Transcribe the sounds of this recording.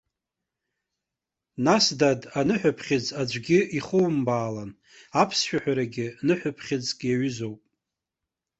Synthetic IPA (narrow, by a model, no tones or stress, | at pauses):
nasdadanɨħʷᶣapʰχʲɪd͡zad͡ʒʷɡʲɪiχʊwmbaːlan | apʰsʃᶣaħᶣaɾaɡʲɪnɨħʷᶣʊpʰχʲɪd͡zɡʲʼjaɥʏzo̞wpʼ